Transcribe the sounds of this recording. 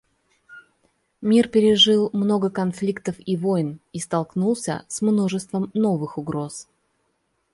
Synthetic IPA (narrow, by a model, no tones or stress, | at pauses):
mʲirpʲɪɾʲɪʐɨlˠmno̞ɡəkɐnflʲikt̪əfivo̞jnist̪ɐlˠknulˠsʲə̰smno̞ʐɨst̪vəmno̞vɨxʊɡɾo̞s